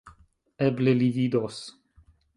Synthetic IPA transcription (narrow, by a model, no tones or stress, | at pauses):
eblelivid̪os